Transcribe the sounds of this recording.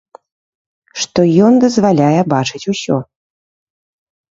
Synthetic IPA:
ʂt̪ɔjɔnd̪ɐzvalʲajɛbat͡ʂɨt͡sʲusʲɔ

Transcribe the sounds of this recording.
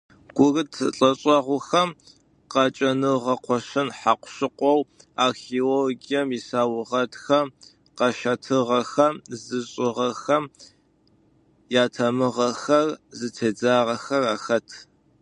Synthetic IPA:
ɡ̥ʷʊrɨtʰɬʼɐɕʼɐʁʷʊxɐm | qɑt͡ʃʼɐnɨʁɐqʷɔɕɨnħaqʷʊ̥ɕɨqʷɔw | aːxeːolɡijɐmisaːwʊʁɐtxɐm | qɐʃɐtʰɨʁɐxɐmzɨɕʼɪʁɐxɐm | jaːtʰɐmɨʁɐxɐrzɨtʰeːd͡zaːʁɐxɐraːxɐtʰ

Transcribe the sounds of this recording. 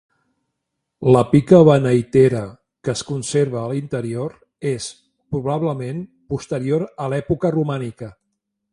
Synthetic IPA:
ləpikəβənəjt̪eɾə | kəːskunseɾβəːlint̪əɾioɾ | es | pɾuβ̞aβləmen | pust̪əɾioɾəlɛpukərumanikə

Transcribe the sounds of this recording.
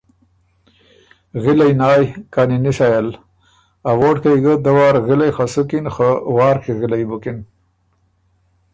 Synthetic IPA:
ɣɪlajnɑːjkaninisajal | awoʈ̚kajɡəd̪əwɑːɾɣɪlajxasukinxəwɑːɾkiɣɪlajbʊkin

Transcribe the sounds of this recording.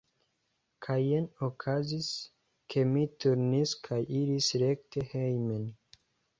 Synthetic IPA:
kʰajenokʰazis | kʰe̞mituɾniskʰajiɾisɾe̞kte̞hejmen

